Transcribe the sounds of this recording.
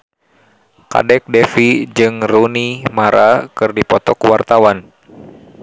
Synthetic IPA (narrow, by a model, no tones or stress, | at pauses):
ka̰dɛk̚dɛfid͡ʒɨŋrunimaɾʔakɨrdipɔt̪ɔkuwart̪awan